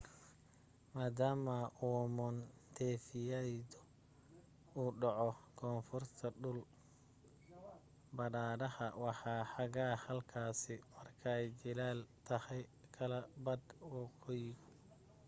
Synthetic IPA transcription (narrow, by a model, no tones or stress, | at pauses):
maːd̪aːmɐʔuːmɔnt̪ʰɛːfɪjɛjd̪ɔ | uːɖɑʕɔkʰɔːnfʊrt̪ʰɐɖʊl | bɐɾaːɾɐhɐwɑħɑːħɑɣaːhɐlkʰaːsɪmɐrkʰɐɛjt͡ʃɪlaːlt̪ʰɐhɛjkʰɐlɐbɐd̪wɑqɔjɡɔ